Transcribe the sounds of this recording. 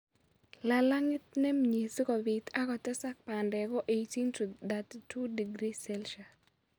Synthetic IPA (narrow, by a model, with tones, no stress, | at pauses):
la˨la˦ŋɪ˦t̪̚nɛ˦mɲe˨si˦kɔ˨bɪ˨t̪a˦kɔ˨tɛ˦sa˦k̚pa˨ndɛ˨ɡɔ˦ʔe˨ti˦ntu˨d̪a˨ttu˦di˨ɡɾi˦sɛlʃa˨